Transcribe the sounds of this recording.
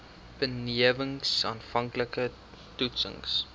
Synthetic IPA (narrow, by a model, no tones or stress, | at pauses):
b̥əniəvəŋsɑːnfɐŋkləkə | tutsə̰ŋs